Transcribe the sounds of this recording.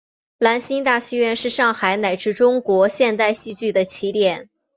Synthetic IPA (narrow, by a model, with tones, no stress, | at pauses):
la˧˥nɕi˥ŋt̪a˥˩ɕi˥ɥɛ˥˧nʂɻ̩˥˧ʂɑ˥˩ŋxa˧˥ɪna˨˩ɪʈ͡ʂɻ̩˥˩ʈ͡ʂʊ˥ŋkwɔ˧˥ɕjɛ˥˧nt̪a˥˧ɪɕi˥˧t͡ɕy˥˩d̪ə˩t͡ɕʰi˧˥t̪jɛ˨˩˦n